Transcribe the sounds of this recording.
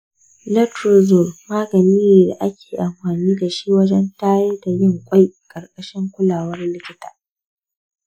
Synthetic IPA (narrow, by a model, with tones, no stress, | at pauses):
lɛ˦tɾo˨zʊ˨lmaː˦ɡɐ˨niː˦neː˨da˨ʔa˦kʲeː˨ʔa˨mɸaː˨niː˦da˨ʃi˦wɐ˦d͡ʒɛ˦nta˦je˦da˨jɪ˦˨ŋkʷʼa˦jkʼɐ˨rkʼɐ˦ʃɪ˦ŋkʷʊ˦laː˨wɐ˦rlɪ˦kʲɪ˦taː˨